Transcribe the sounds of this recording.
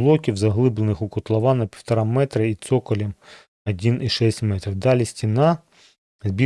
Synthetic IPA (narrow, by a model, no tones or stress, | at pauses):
lˠɔkʲiwzɐɦlˠɪblˠenɪxʊkɔt̪lˠɐʋɑnɐpʲi̥wt̪ɐɾɑmɛt̪ɾɐit̪sɔkɔlʲim | ɐdʲiniʃɛsʲtʲmɛt̪ɾiwd̪ɑlʲisʲtʲinɑ | zʲbʲi